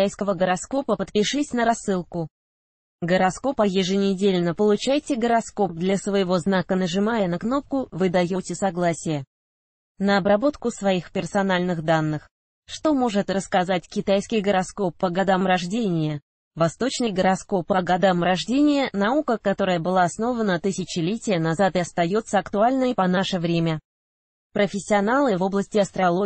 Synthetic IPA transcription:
ajskəvəɡəɾɐsko̞pəpət̪pʲɪʂɨsʲnəɾɐsːɨlˠkʊ | ɡəɾɐsko̞pəjɪʐɨnʲɪdʲelʲnəpəlˠʊt͡ɕæjtʲɪɡəɾɐsko̞p̚d̪lʲɐsvəjɪvo̞znakənəʐɨmajənɐkno̞p̚kʊvɨd̪ɐjotʲɪsɐɡlˠasʲɪjə | nəɐbɾɐbo̞t̪kʊsvɐixpʲɪrsɐnalʲnɨxd̪anːɨx | ʂt̪o̞mo̞ʐɨt̪rəskɐzatʲkʲɪt̪ajskʲɪjɡəɾɐsko̞pːəɡɐd̪amrɐʐdʲenʲɪjə | vɐst̪o̞t͡ɕnəjɡəɾɐsko̞pəɡɐd̪amɾɐʐdʲenʲɪjənɐukəkɐt̪o̞ɾəjəbɨlˠaːsno̞vənət̪ɨsʲɪt͡ɕɪlʲetʲɪjənɐzat̪ɪɐst̪ɐjo̞t̪səɐkt̪ʊalʲnəjpɐnaʂəvɾʲemʲə | pɾəfʲɪsʲːɪɐnalˠɨvo̞blˠəsʲtʲɪɐst̪ɾɐlˠo

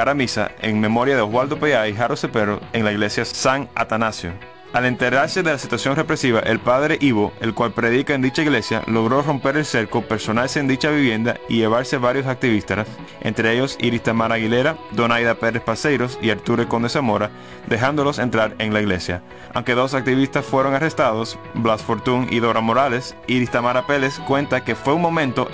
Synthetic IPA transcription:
aɾamisa̰ḛŋme̞mo̞ɾjaðeoɣwald̪o̞peʝaiɦaɾosepeɾoeŋlaiɣle̞sjasaŋa̰t̪anasjo | alent̪e̞ɾaɾse̞ðe̞lasit̪wasjo̞ŋre̞pɾe̞siβaʔe̞lpaðɾe̞ʔiβo̞e̞lkwalpɾe̞ðikae̞nd̪it͡ʃaiɣle̞sja̰lo̞ɣ̞ɾo̞ro̞mpe̞ɾe̞lse̞ɾkope̞ɾso̞nalseːnd̪it͡ʃaβiβjẽ̞nd̪aiʝe̞β̞aɾse̞βaɾjo̞sak̚t̪iβist̪as | ʔḛnt̪ɾe̞eʝo̞sḭɾist̪amaɾaɣile̞ɾad̪o̞najðape̞ɾespase̞jɾo̞siaɾt̪uɾeko̞nd̪e̞samo̞ɾa | d̪e̞ɦand̪o̞lo̞se̞nt̪ɾaɾe̞ŋlaiɣle̞sja̰ | a̰wŋke̞ðo̞sak̚t̪iβist̪asfwe̞ɾo̞ŋare̞st̪aðo̞s | blasfo̞ɾt̪uŋḭðo̞ɾamo̞ɾale̞siɾist̪amaɾape̞leskwẽ̞nt̪ake̞fwe̞uŋmo̞mẽ̞nt̪o̞

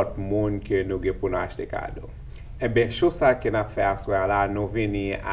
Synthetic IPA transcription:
ɔt̚mũnkenũɡɛ̃punũaʃt̪eka̰do̰ | ɛ̃bɛ̃ʃosakenafɛasoalanũvinĩa̰

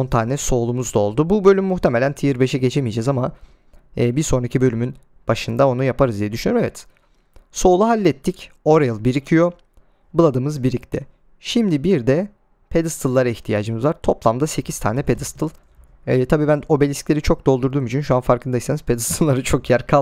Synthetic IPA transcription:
ont̪ʰaːnɛso̞ːlˠumuzd̪ao̞lˠd̪ububø̞lʲymːuxt̪ʰemelʲænt̪ʰijiɾbe̞ʃɛɟe̞t͡ʃʰe̞mijd͡ʒɛzamaː | biɾso̞nɾacʰibø̞lʲymyn | b̥aʃɯnd̪ao̞nujapʰaɾɯzd̪ijɛd̪yʃynjøɾmevɛt̪ | so̞ːlˠuɦalʲːɛt̪ʰːico̞ɾajɯlˠbiɾicʰijo | bɯlˠad̪ɯmɯzbiɾʲict̪ʲɛ | ʃimd̪ibiɾd̪ɛ | pʰed̪ɯst̪ʰɯlˠːaɾaiçt̪ʰijaːd͡ʒɯmɯzvaɾt̪ʰo̞plˠamd̪ase̞cʰizt̪ʰa̰ːnɛpʰed̪ɯst̪ʰɯlˠ | ɛːt̪ʰabiːbæno̞belʲisclʲe̞ɾit͡ʃʰo̞k̚d̪o̞lˠd̪uɾd̪uːmyt͡ʃʰynʃuanfaɾkʰɯnd̪aiseniz̥pʰed̪ɯst̪ʰɯlˠːaɾɯt͡ʃʰo̞kjæɾkʰa

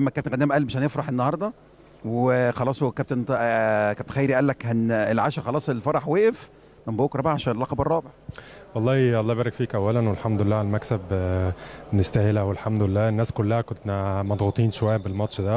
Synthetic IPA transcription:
mːækæb̚t̪enɣæd̪æmʔælmeʃhænjefɾˤɑħenːɑhɑɾˤd̪ˤɑ | wexɑlɑːsˤkæb̚t̪ent̪kæ̥t̪enxæjːɾijʔælːækhænelʕaːʃæxɑlˤɑːsˤelfɑɾˤɑħweːʔef | memboːkɾˤɑbʕaʃæːnelːɑqɑbɑrˤːɑːbeʕwʔɑlˤːɑːʔɑlˤːɑːbæːɾˤɑkfiːkʔæwːælænwelħamd̪oelːæːʕalmæksæb | nest̪æhelhæwelħamd̪ʊelːæːenːæːskolːæhækontnæmɑd̪ˤɣut̪ˤiːnʃowæjːæbelmɑt̪ʃd̪æ

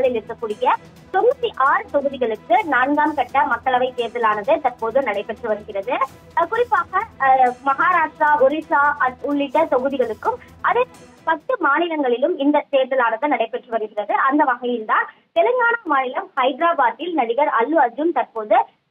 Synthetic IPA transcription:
ɐɭɪlɪɾɯkːɐkːuːɽɪjɐ | t̪ɔmːɐt̪ːiʔaːɾɯt̪ɔɣɯðɪɣɐɭɯkːɯnaːɳɡaːmkɐʈːɐmɐkːɐɭɐʋɐɪt̪eːɾðɐlaːnɐðɯt̪ɐrpoːðɯnɐɽɐɪpːɛʈrɯʋɐɾɯɣɪrɐðɯ | kʊrɪpːaːɣɐmɐɣaːɾaːʂʈɾaːɔɾɪʂaːɐʊɭːɪʈːɐt̪ɔɣɯðɪɣɐɭɯkːɯmʔɐðɯ | pɐt̪ːɯmaːnɪlɐŋɡɐɭɪlɯmɪnd̪ɐt̪eːɾðɐlaːnɐðɯnɐɽɐɪpːɛʈrɯʋɐɾɯɣɪrɐðɯʔɐnd̪ɐʋɐɣɐjɪlt̪aːn | t̪ɛlɯŋɡaːnamaːnɪlɐmhɐɪɖɾaːbaːʈ̪ːɪlnɐɽɪɣɐɾɐlːɯɐd͡ʒɯnt̪ɐrpoːðɯ

